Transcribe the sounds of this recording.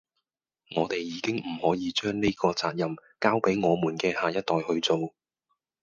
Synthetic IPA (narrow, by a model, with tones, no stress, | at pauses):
ŋɔː˨˧t̪e˨jːiː˨˧˥kɪ˥ŋm̩˨˩hɔː˨˥jiː˨˧t͡ʃœː˥ŋne˥kɔː˧t͡saː˧t̚jɐ˨mkaː˥wpe˨˥jŋɔː˨˧muː˨˩nkɛː˧haː˨jɐ˥t̚t̪ɔː˨jhɵ˧ɥt͡so˨w